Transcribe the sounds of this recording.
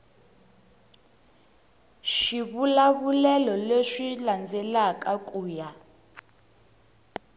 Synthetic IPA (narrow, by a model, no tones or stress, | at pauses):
ʃiβulaβulɛlɔleʂiland͡zʱɛlak̬ʼak̬ʼuːja